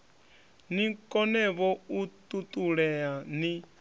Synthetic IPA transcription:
nikʼɔnɛβɔut̪ʼut̪ʼuɺɛani

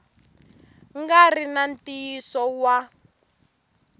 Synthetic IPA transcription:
ŋɡarinantiːsɔwa

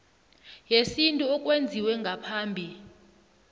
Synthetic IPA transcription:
jesintʼuɔkʼwend͡zʱiwɛŋɡʱapʰaːmbʱi

